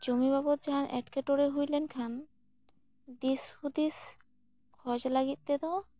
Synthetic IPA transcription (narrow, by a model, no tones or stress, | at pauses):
d͡ʑomiβabɔt̪̚d͡ʑaɦanʔɛ̰ʈkeʈoɾeɦujlenkʰan | d̪ishud̪is | kʰɔd͡ʑlaɡit̪̚t̪et̪ɔ